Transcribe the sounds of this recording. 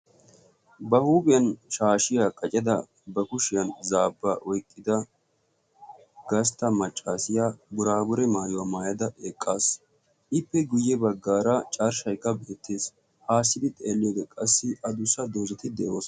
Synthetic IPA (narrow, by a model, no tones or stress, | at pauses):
bɐhuːbɪjɐnʃaːʃɪjakʼɐt͡ʃʼɛd̪ɐ | bɐkʊʃɪjɐnzaːbːaʔɔjkʼːɪd̪ɐ | ɡɐs̬t̪ːɐmɐt͡ʃʼːaːsɪjabʊɾaːbʊɾɛmaːjɔwɐmaːjɐd̪ɐʔeːkʼːaːs | ʔɪpːɛɡʊjːɛbɐɡːaːɾɐt͡ʃʼɐɾʃɐjkːɐbe̞ːt̪ːeːs | haːsːɪd̪ɪt̪ʼeːlːɪjoːd̪ɛkʼɐsːɪʔɐd̪ʊsɐd̪oːzɛt̪ɪd̪ɛʔo̞ːs